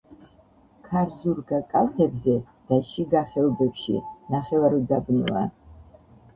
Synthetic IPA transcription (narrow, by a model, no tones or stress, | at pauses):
kʰaɾzuɾɡakʼat̪ʰɛbzɛ | d̪̥aʃiɡaχɛɔbɛpʃḭnaχɛvaɾid̪abnwa̰